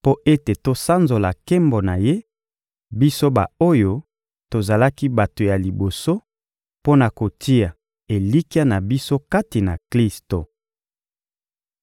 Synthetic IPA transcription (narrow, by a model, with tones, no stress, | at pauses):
po˦ʔe˦te˨to˨sa˦nzo˨la˨ke˦mbo˨na˨je˦ | bi˦so˦ba̰˨o˦jo˦ | to˨za˨la˦ki˦ba˨to˨ja˨li˨bo˨so˦ | po˦na˨ko˨ti˦a˨ | e˨li˦ki˦a˦na˨bi˦so˦ka˦ti˨na˨kli˦sto˨